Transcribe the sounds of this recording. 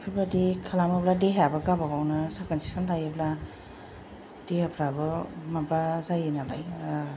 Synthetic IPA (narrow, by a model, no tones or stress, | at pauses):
pʰɯbadikʰalamabladeɦabɯɡabaɡawnɯsakansi̥kʰanlajebla | d̥eapʰɾabɯmabazajenala̰j